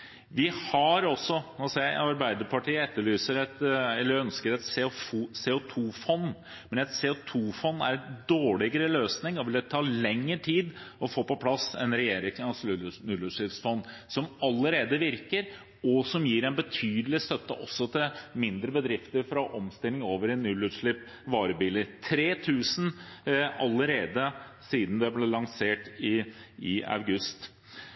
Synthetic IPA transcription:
ʋɪhɑɾɔsːɔnsɛɑɾbæɪd̪əɾpʰɑʈʰiːəɛt̪ːəɭyːsəɾɛt̪ɛlːəɾœnskəɾɛt̪seuseːʊt̪ʰuːfɔnː | mɛnɛt̪seːʊt̪ʰuːfɔnːæ̰ɾd̪oːɭɪɡəɾəløːsnɪŋɔʋɪld̪ɛt̪ʰɑːlɛŋːəʈʰiːd̪ɔfoːpɔpʰlɑsɛ̰nɾɛjeːɾɪŋɑslnʉləʂɪsfɔnː | sɔmɑlːəɾeːd̪əʋɪɾkəɾ | ɔsɔmjiːɾɛnbət̪ʰyːd̪əlɪst̪œt̪ːə̰ʔɔsːɔt̪ʰɪlmɪnd̪ɾəbəd̪ɾɪft̪əɾfɾɑʔɔmst̪ɪlɪŋoːʋəɾɛnːʉlʉːd̪ʂɭɪp | ʋɑːɾəbiːlət̪ʰɾeːt̪ʰʉːsn̩ | ɑləɾeːd̪əsiːd̪n̩d̪ɛblɛlɑŋseːʈɪɪɑ̰ʉɡʉst̪

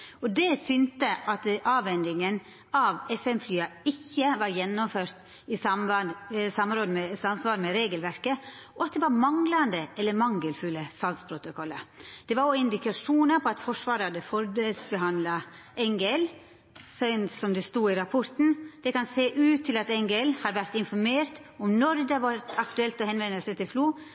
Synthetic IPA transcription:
ɔd̪ɛsʏnt̪əʔɑt̪ʔɑːʋɛnd̪ɪŋən | ɑʋɛfɛmflyːɑɪçːəʋɑɾjɛnːɔmføːɾt̪ | ɪsɑmɑsɑmːɾoːd̪əmɛsɑnsʋɑːɾmɛɾeːɡəlʋæɾkə | ɔɑt̪̚d̪ɛʋɑɾmɑŋlɑnd̪əʔɛlːəmɑŋɡəlfʉlːəsɑlspʰɾʊt̪ʊkʰɔlːəd̪̥ɛʋɑɾoɪnd̪ɪkɑʂuːnəpʰɔɑt̪fɔʂʋɑːɾəhɑd̪əfɔɾd̪elsbəɦɑnd̪lɑ | ʔɛŋɡɛl | sœʏnsɔmd̪ɛst̪uːɪɾɑpʰɔɾt̪n̩d̪̥ɛkɑnseːʔʉːt̪ʰːɪlɑt̪ɛŋɡɛlhɑɾʋæɾt̪ɪnfɔɾmeːɾt̪ɔmnɔɾd̪ɛhɑʋɑɾt̪ʰɑkt̪ʉɛlt̪ɔhɛnʋɛnːəlsɛt̪ʰɪlfluː

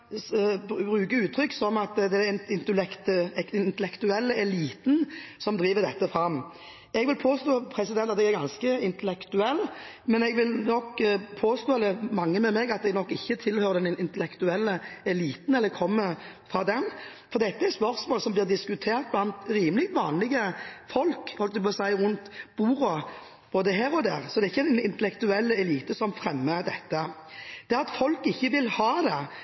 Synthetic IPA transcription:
bʁʉːkəʉːt̪ʰːɾʏkːsɔmɑt̪d̪ɛɪnt̪əlɛkt̪ɪnt̪əlɛkt̪ʉɛlːəɛliːt̪n̩sɔmd̪ɾiːʋəd̪ɛt̪ːəfɾɑmː | ɛɡʋɪlpʰoːst̪oːpʰɾɛsɪd̪ɛnt̪ɑt̪ɛɡæɾɡɑnskəɪnt̪əlɛkt̪ʉɛlːmɛnɛɡʋɪlnɔkpʰoːst̪oːd̪ɛmɑŋːəmɛmɛɡɑt̪̚ɛɡnɔkːɪçːət̪ʰɪlhøːɾəd̪ɛnɪnɪnt̪əlɛkt̪ʉɛlːəɛliːt̪n̩ɛlːəkʰɔmːə | fʁɑːd̪ɛn | fɔʁd̪ɛt̪ːəɛɾspœɾsmoːlsɔmblɪːʁd̪ɪskʉt̪ʰeːɾt̪̚blɑnt̪ɾiːməlɪkt̪ʋɑːnlɪɡəfɔlkhɔlk̚d̪ʉbɑsæɪʁʉnt̪b̥uːɾɔ | b̥oːd̪əɦæːɾɔd̪æːʁsɔd̪ɛæɪçːənɪnt̪əlɛkt̪ʉɛlːəɛliːt̪əsɔmfɾɛmːəd̪ɛt̪ːə | d̪̥ɛɑt̪fɔlkɪçːəʋɪlhɑːd̪ɛ

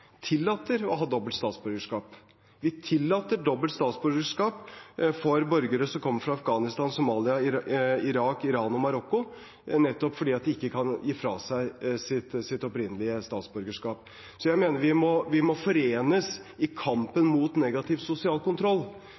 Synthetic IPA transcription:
t̪ʰɪlːɑːt̪əɾɔɦɑːd̪ɔbəlt̪st̪ɑːt̪sbʉɾɡəʂkɑːp | ʋɪt̪ʰɪlːɑːt̪əɖɔbəlt̪st̪ɑːt̪sbʉɾɡəʂkɑːpfɔɾbœɾɡəɾəsɔmkʰɔmːəfɾɑɑfɡɑːnɪst̪ɑːnsʊmɑːlɪɑɪɾɑːkɪɾɑːnɔmɑɾɔkːʊ | nɛt̪ːɔpfɔɖiːɑt̪̚d̪ɛɪkːəkʰɑnjiːfɾɑːsæɪsɪt̪sɪt̪ɔpɾɪnːəlɪəst̪ɑːt̪sbʉɾɡəʂkɑːp | sɔjæɪmeːnəɾʋɪmɔʋɪmɔfɔɾeːnəsɪkʰɑmpənmuːt̪neɡɑt̪ʰɪʋsʊsɪɑːlkʊnt̪ʰɾɔlː

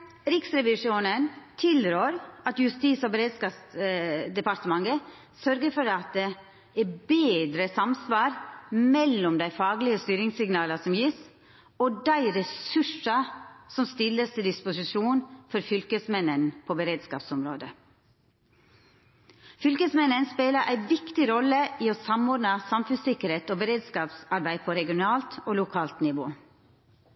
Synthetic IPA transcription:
ɾɪksɾɛʋɪʂjuːnənt̪ʰɪlɾøːɾɑt̪jʉst̪iːsɔbəɾeːd̪skɑːpsd̪ɛpɑɾt̪əmɑŋə | sœɾɡəfɔɾɑt̪̚d̪ɛ | ɛbeːd̪ɾəsɑmsʋɑːɾmɛlːɔmd̪æɪfɑːɡlɪəst̪yːɾɪŋsɪɡnɑːlɑsɔmjiːs | ɔd̪æɪɾɛsʉʂɑsɔmst̪ɪlːəst̪ʰɪd̪ɪspʊsɪʂuːnfɔɾfʏlkəsmɛnənpʰobəɾeːd̪skɑːpsɔmɾoːd̪ə | fʏlkəsmɛnənspeːləɾʔæɪʋɪkt̪ɪɾɔlːəiːoːsɑmɔɖnɑsɑmfʉnsɪkəɾheːt̪oːbəɾeːd̪skɑːpsɑɾbæɪpʰɔɾɛɡɪʊnɑːlt̪oːlʊkʰɑːlt̪nɪʋoː

